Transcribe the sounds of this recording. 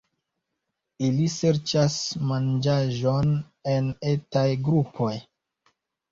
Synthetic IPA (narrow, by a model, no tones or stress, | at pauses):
ilise̞ɾt͡ʃasmand͡ʒaʒo̞n | e̞netajɡɾupʰo̞j